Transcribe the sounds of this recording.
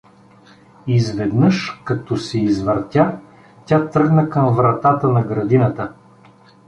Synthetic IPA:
izvɛd̪nɤʃkɐt̪ɔsɛizvəɾt̪ʲa | tʲat̪ɾɤɡnəkəmvɾɐt̪at̪ənɐɡɾɐd̪inət̪ə

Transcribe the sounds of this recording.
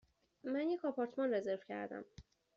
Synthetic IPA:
mænjecɒpʰɒːɾt̪ʰmɒnre̞ze̞ɾv̥cʰæ̰ɾd̪æ̰m

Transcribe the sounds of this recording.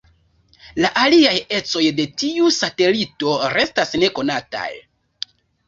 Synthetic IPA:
laʔaliaje̞t͡so̞jde̞tiusate̞lito̞ɾe̞stasne̞ko̞nata̰j

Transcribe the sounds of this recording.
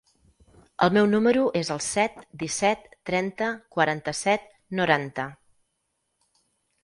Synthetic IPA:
ə̰lˠmɛwnuməɾuʔezəlˠsɛt̪d̪isɛt̪ːɾɛnt̪əkwəɾant̪əsɛt̪̚ | nuɾant̪ə

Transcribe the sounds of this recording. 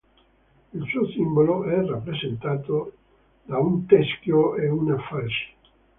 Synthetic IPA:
ilsuːosimboloʔɛrapːɾezent̪aːt̪o | d̪aunt̪ɛskjoeunafasi̥

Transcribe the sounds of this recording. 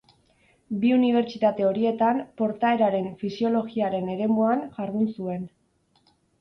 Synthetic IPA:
biuniβ̞e̞ɾt͡ʃit̪at̪e̞o̞ɾie̞t̪ampo̞ɾt̪ae̞ɾaɾe̞ɱfisio̞lo̞ɣiaɾe̞ne̞ɾe̞muaŋʝaɾðunsue̞n

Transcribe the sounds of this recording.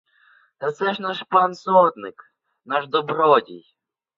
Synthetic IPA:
t̪at̪sɛʃnaʃpansɔt̪nɪk | naʃd̪ɔbɾɔdʲḭj

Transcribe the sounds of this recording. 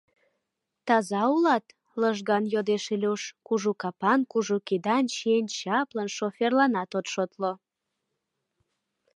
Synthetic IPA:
t̪ɑzɑulɑt̪ | ləʒɣɑnjod̪eʃilʲuʃkuʒukɑpɑnkuʒukid̪ɑnt͡ɕient͡ɕɑplənʃoferlɑnɑt̪ot̪ʃot̪lo

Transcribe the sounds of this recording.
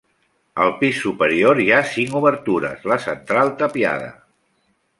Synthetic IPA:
əlˠpisːupəɾioɾiasiŋuβəɾt̪uɾə̰zləsənt̪ɾalˠt̪əpia̰ðə̰

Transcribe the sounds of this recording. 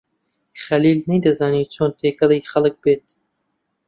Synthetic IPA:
χɐliːlnejd̪ɐzaːniːt͡ʃʰoːnt̪ʰeːkɐlijxɐlɨk̚beːt̪

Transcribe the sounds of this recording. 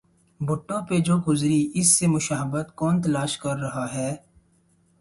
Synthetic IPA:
bʊʈːõped͡ʒoːkʊzɾiʔɪsːemʊʃaːɦəbət̪kɔːnt̪ɐlaːʃkɐɾːɐɦaɦɛː

